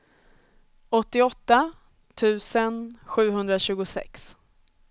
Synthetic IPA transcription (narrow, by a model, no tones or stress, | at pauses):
ɔt̪ːɪɔt̪ːa | t̪ʰʉ̟ːsənɧʉ̟ːɦɵnd̪ɾaɕʉ̟ːɡʊsɛ̰ks